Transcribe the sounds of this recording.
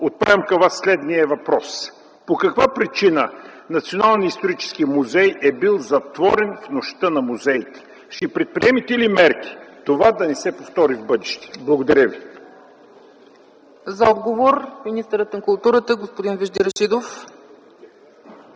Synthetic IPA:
ot̪̚pavʲɛmkɐvasːlɛd̪niəɛvɐpɾɔs | pokɐkvapɾit͡ʃinə | nɐt̪sionalˠnijəist̪oɾit͡ʃɛ̥sk̟imuzɛjɛbilˠzɐt̪vɔɾɛnfnoʃt̪ənɐmuzɛit̪ɛ̥ | ʃt̪ɛpɾɛt̪̚pɾiɛmit̪ɛilimɛɾk̟i̥t̪ovad̪ɐnɛsɛpoft̪ɔɾivbɤd̪ɛʃt̪ɛ̥blˠɐɡod̪ɐɾʲəvi | zɐɔd̪ɡovoɾminist̪əɾət̪nɐkʊlˠt̪uɾət̪əɡospod̪invɛʒd̪iɾəʃid̪of

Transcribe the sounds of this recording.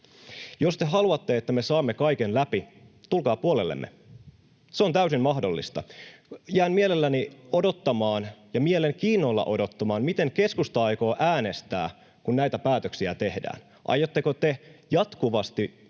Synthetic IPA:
jo̞st̪e̞ɦɑluɑt̪ːe̞et̪ːæme̞sɑːmːekɑikenlæpit̪ulkɑːpuolelːḛmːḛ | seo̞nt̪æysimmɑɦdolːḭst̪ɑ̰jæːnmie̞lelːænio̞do̞t̪ːɑmɑːnjɑmieleŋkiːnːolːɑ̰ʔo̞do̞t̪ːɑmɑːnmit̪e̞ŋke̞skust̪ɑɑjko̞ːʔæːne̞st̪æ̰ː | kunnæjt̪æpæːt̪øksiæt̪e̞hdæ̰ːn | ʔɑ̰jˑot̪ːekot̪ejɑt̪kuʋɑst̪i

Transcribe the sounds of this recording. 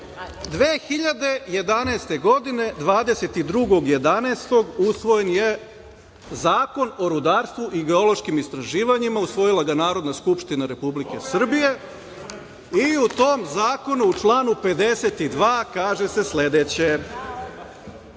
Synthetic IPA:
d̪ʋeːxiʎad̪e̞je̞d̪anɛːst̪e̞ɡo̞d̪ine̞d̪ʋaːd̪e̞se̞t̪id̪ɾuɡo̞ɡje̞d̪anaːst̪o̞ɡusʋo̞je̞nje | zaːko̞no̞ɾud̪aːɾst̪ʋuʔiɡe̞o̞lo̞ʃkimist̪ɾaʒiːʋaɲimausʋo̞jilˠaɡanaːɾo̞d̪naskupʃt̪inaɾe̞publike̞sr̩bije̞ | iut̪o̞ːmzaːko̞nuːt͡ʃlˠaːnupe̞d̪e̞se̞t̪id̪ʋaːkaːʒe̞se̞sle̞d̪et͡ɕe̞

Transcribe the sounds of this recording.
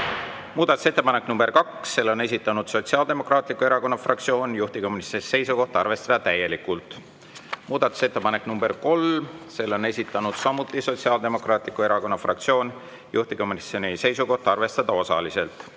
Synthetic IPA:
muːd̪̥ɑt̪ːˑu̥se̞t̪ːe̞pɑne̞knumb̥erkɑksːe̞lːo̞ne̞s̬ʲit̪ːˑɑnud̪̥so̞t̪ʲsiɑːld̪e̞mo̞krɑːt̪ˑlikːˑue̞ɾɑko̞nːɑfrɑkt̪sio̞ːnjuht̪iko̞munisese̞jsuko̞ht̪ɑrve̞st̪ɑd̪̥ɑt̪æje̞likːult̪ˑ | muːd̪̥ɑt̪ːˑu̥se̞t̪ːe̞pɑne̞kːˑnumb̥e̞rko̞lse̞lːo̞ne̞sʲit̪ːˑɑnud̪̥sɑmut̪ːˑiso̞tsiɑːld̪e̞mokrɑːt̪ˑlikːˑue̞ɾɑko̞nːɑfrɑk̚t̪sio̞ːn | juht̪iko̞munisonise̞jsuko̞ht̪ɑrve̞st̪ɑd̪̥ɑo̞sɑ̰lise̞lt̪

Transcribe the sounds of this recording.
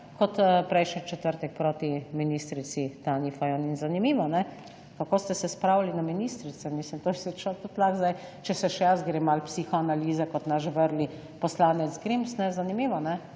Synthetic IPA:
kɔt̪pɾɛjʃnɛt͡ʃɛt̪əɾt̪ɛk̚pɾoːt̪iminist̪ɾit̪sit̪aːnifajoninzanimiːʋɔnɛ | kakoːst̪ɛsɛspɾawlalinaminiːst̪ɾit̪sɛmislimt̪osit͡ʃnɔt̪ut̪laxzd̪ajt͡ʃɛsɛʃɛjasɡɾeːmalpsiːxɔanaliːzɛkɔt̪naʃʋəɾli | pɔslaːnɛt̪zɡɾimsnɛzanimiːʋɔnɛ

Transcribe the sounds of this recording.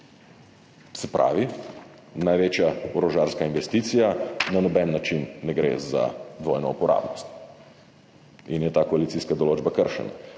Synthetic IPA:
sɛpɾa̰ːʋi | najʋeːt͡ʃjaɔɾɔʒaːɾskainʋɛst̪it̪sijananɔbɛnːat͡ʃinːɛɡɾḛːza̰d̪ʋojnɔupɔɾa̰ːbnɔst̪ | injɛt̪akɔalit̪siːskad̪ɔloːd͡ʒbakəɾʃɛ̰na̰

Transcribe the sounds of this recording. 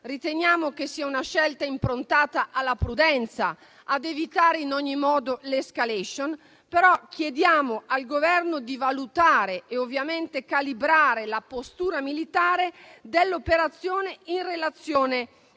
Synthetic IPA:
rit̪eɲjaːmokesiːaunaʃɛlt̪aimpɾont̪aːt̪aʔalːapɾud̪ɛnt̪sa̰ː | d̪evit̪aːɾeinɔɲːimɔːd̪oleskaleʃon | peɾɔk̟jed̪jaːmoʔalɡovɛrnod̪ivalut̪aːɾeːovːjament̪ekalibɾaːɾelapost̪uːɾamilit̪aːɾed̪elːopeɾat̪sːjoːneinrelat̪sːjoːne

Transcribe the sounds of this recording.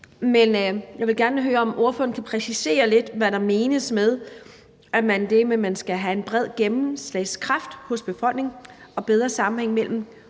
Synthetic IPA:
menjɑ̈ʋelɡ̥æɐnəɦøːɐɒ̽mʔo̝ɐføn̩kʰæpʰʁɛsise̝̰ːɐle̝d̥ʋæɾɑ̈me̝ːnəsmeð̞ˠ | æmænd̥e̝memænsɡ̥æɦæe̝nb̥ʁɛð̞̰ˠɡ̥emm̩sleɪskʰʁɑ̈fd̥hɔ̽sb̥e̝fɒ̽l̰ɡ̥ne̝ŋɒ̽b̥eð̞ˠʁɐsɑ̈mm̩heŋ̰mel̰m̩

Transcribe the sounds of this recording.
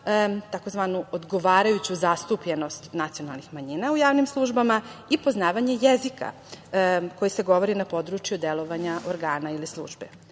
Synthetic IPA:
t̪ako̞zʋanuod̪ɡo̞ʋaːɾajut͡ɕuzast̪upʎe̞no̞st̪nat̪ijo̞nalˠnixmaɲinaujaːʋnimslˠuʒbamaipo̞znaːʋaɲe̞jezika̰ | ko̞jise̞ɡo̞ʋo̞ɾinapo̞d̪ɾut͡ʃjud̪elˠo̞ʋaɲaʔoɾɡaːnailislˠṵːʒbḛ

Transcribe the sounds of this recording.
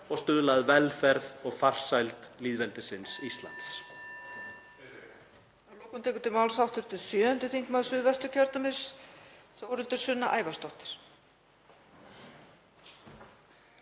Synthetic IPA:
ɔɣst̪ʏːðʏlaðvɛlfɛɾðɔɣfar̥sajlt̪liːðvɛlt̪ɪsɪnsist̪la̰nt̪s | alowkʏmt̪ʰɛːkʏt̪ʰɪlmawlsawht̪ʏɾ̥t̪ʰɪlsjœːʏnt̪ʏθiŋ̥kmaðsʏvɛst̪ʏcʰœɾt̪amɪsθowɾʏlt̪ʏɾ̥sʏnːaʔaːjvast̪owht̪ɪ̥ɾ̥

